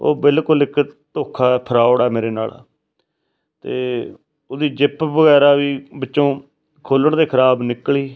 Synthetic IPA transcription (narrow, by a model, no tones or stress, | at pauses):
o̰ːbɪlkʊlɪkʰt̪oːkʰːaːɛːpʰəɾaːoɽaːmeːɾeːna̰ːla̰ː | t̪eː | ʊd̪iːd͡ʒɪpbəɣɛːɾaːʋiːbətːʃõː | kʰoːləɳd̪eːkʰəɾaːbnɪkɭiː